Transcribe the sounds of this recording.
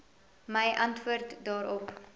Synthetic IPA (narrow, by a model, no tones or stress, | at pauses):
məjʔɐntvuərtdɑːɾɔp